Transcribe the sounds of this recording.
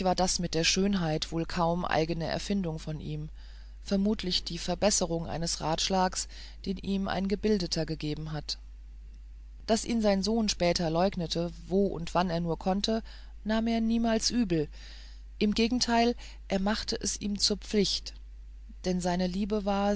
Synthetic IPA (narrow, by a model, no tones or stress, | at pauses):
v̥aːɐdasmɪt̚d̥eːɐʃøːnɦaɪtv̥oːlkʰaʊmʔa̰ɪɡənəʔɛ̰ɐfɪndʊŋfɔnʔḭːm | fɛɐmuːtʰlɪçd̥iːfɛɐbɛsəʁʊŋʔa̰ɪnəsʁa̰ːtʃlaːks | d̥eːnʔiːmʔa̰ɪnɡəbɪldətʰɐɡəɡeːbm̩ɦat | d̥asʔḭːmzaɪnzoːnʃpɛːtʰɐlɔʏɡnətʰəvoːʔʊ̰ntv̥aneːɐnuːɐkʰɔntʰə | naːmeːɐniːmaːlsʔyːbl̩ | ʔɪmɡeːɡŋ̩tʰaɪl | ʔeːɐmaχtəʔɛsiːmt͡suːɐp͡flɪçt | d̥ɛnzaɪnəliːbəvaːɐ